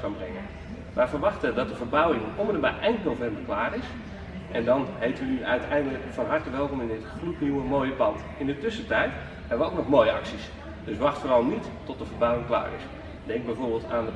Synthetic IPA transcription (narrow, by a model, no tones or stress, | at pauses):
kanbrɛŋən | ʋafərʋɑxtədɔt̚dəvərbawɪŋʔoməndəmaʔɛjnnovɛmbərklaːrɪs | ʔɛndɔnɦejtəʋənyʔœɥtʰɛjndələkfɔnɦartəʋɛlˠkomɪndɪtxlutniwəmoːjəpɑnt | ɪndətʏsətɛjt | hɛbəʋəowknɔxmoːjəɑ̰ksis | d̥øsʋɑxtfoːrɑlˠnitːɔtdəvərbawɪŋkla̰ːrɪ̰s | dɛŋɡ̚bɛjvoːrɹbɪːlˠtaːndə